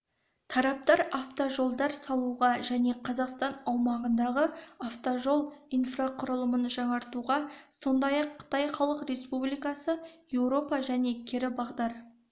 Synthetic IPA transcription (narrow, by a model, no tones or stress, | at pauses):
t̪ʰɑɾɑp̚t̪ɑɾaft̪oʒo̞lˠd̪ɑɾsɑlˠuʁɑʒæne̞qʰɑzɑqst̪ɑnɑwmɑʁənd̪ɑʁəaft̪oʒo̞lˠijnfraqʰʊɾəlˠəmənʒɑɴɑɾt̪uʁɑso̞nd̪ɑjɑqʰːə̥t̪ɑjχɑlˠəqre̞spublijkɑsəjewɾo̞pɑʒæne̞kʲʰeɾɪbɑʁd̪ɑɾ